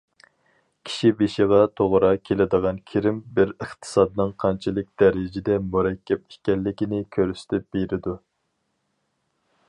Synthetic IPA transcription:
kʲʰi̥ʃibeʃiʁɑt̪ʰoʁɾɑkʲʰelɪd̪əʁɑnkʲʰiɾɪmbɪɾəχt̪ʰɨ̥sɑd̪ɨnɨŋqʰɑnt͡ʃʰilˠɨk̚ʲd̪ɛɾɪd͡ʒɪd̪ɛmuɾɛkʲːɛp̚i̥kʲɛlːɪkʲinɪkʲʰøɾysɪ̥t̪ʰɪp̚b̥eɾɪd̪u

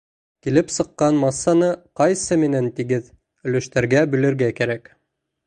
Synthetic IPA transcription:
kilɘpsɤ̆qːɑnmɑsːɑnɤqɑjsɤmɘ̆nænt̪iɡɘð | ɵ̆lɵ̆ʃt̪æɾɡæbɵ̆lɘ̆ɾɡækæɾæk

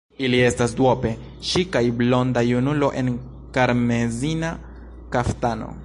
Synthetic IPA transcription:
ilie̞stasdwope̞ | ʃikajblo̞ndajunulo̞ʔe̞n | kaɾmezina | kaftano̞̰

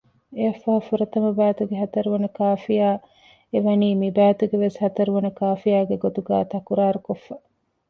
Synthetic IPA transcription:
eɐfːaːfuɾɐt̪ɐmɐbæːt̪uɡeɦɐt̪ɐɾuʋɐnɐkaːfijaː | eʋɐniːmibæːt̪uɡeʋeshɐt̪ɐɾuʋɐnɐkaːfijaːɡeɡot̪uɡa̰ːt̪ɐkuɾaːɾukofːɐ

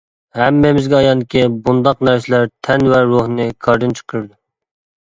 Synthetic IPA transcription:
hɛmːɪmɪzɡʲɛɑjɑnd̪ɪkʲibund̪ɑq̚næɾsɪlæɾt̪ʰɛnwɛɾoɦnɨkʰɑɾd̪ɨnt͡ʃʰə̥qʰəɾɨd̪u

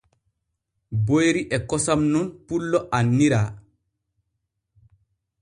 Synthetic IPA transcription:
bojɾiʔɛkɔsamnunpulːɔʔanːiɾaː

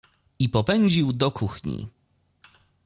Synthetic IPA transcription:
ipɔpɛɲd͡ʑiwd̪ɔkʰuxɲḭ

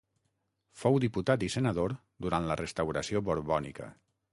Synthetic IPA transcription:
fowðiput̪at̪isenəðoɾ | d̪uɾant̪lərʔest̪awɾəsioβoɾβɔnikə̰

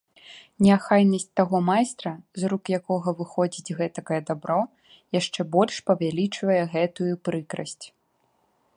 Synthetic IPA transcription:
nʲɛaxajnɐsʲt͡sʲt̪aɣɔmajst̪ɾɐzrukjakɔɣɐvɨxɔd͡zʲid͡zʲɣɛt̪ɐkɐjɛd̪abɾɔ | jaʂt͡ʂɛbɔlʲʂpɐvʲalʲit͡ʂvɐjɛɣɛt̪ujupɾɨkɾɐsʲt͡sʲ

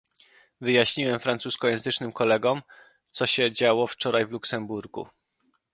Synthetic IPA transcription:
vɘjaɕɲiwɛmfɾant̪suskɔjɛ̃zɘt͡ʂnɘmkɔlɛɡɔm | t̪sɔɕɛd͡ʑawɔft͡ʂɔɾajvluksɛmbuɾɡṵ

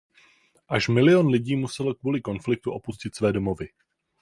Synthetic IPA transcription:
ʔaʃmɪlɪjonlɪɟiːmusɛlkvuːlɪko̞nflɪk̚t̪uʔo̞puscɪt̪svɛːdo̞mo̞vɪ

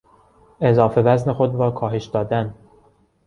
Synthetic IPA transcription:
ʔe̞zɒːfe̞væzne̞xo̞d̪ɾɒːkʰɒːɦe̞ʃd̪ɒːd̪æn

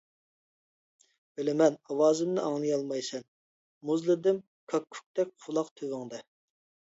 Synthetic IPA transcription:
velɪmɛnɑwɑːzɪmnɨʔɑŋlˠɨjɑlˠmɑjsɛn | muzlˠɨd̪ɪm | kʰɑkʲʰːy̥k̚ʲt̪ɛk̚ʲqʰʊlˠɑqt̪ʰøwɪŋd̪ɛ

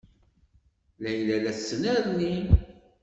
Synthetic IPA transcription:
læjlælæθsːənæɾni

